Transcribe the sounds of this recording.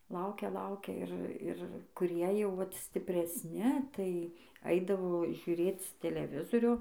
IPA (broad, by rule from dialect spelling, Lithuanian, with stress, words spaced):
ˈlˠɐʊkʲɛ ˈlˠɐʊkʲɛ ˈɪr ˈɪr kʊˈrʲiɛ jɛʊ ˈʋɐt sʲtʲɪpʲrʲɛsʲˈnʲɪ tɐɪ ˈɐɪdɐʋoː ʒʲʊˈrʲeːt͡s tʲɛlʲɛˈʋʲɪzoːrʲoː